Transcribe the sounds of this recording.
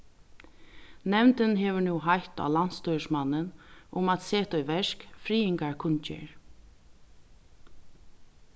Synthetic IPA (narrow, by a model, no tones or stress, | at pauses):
nɛmnt̪ɪnɦɛːʋɪɹnuːɦajht̪a̰lan̥t̪st̪ɔsmanːɪnʊmat̪seːt̪ɔjʋɛʂkfɾiːɪŋkaɹkʰʊnt͡ʃɪ̰ɹ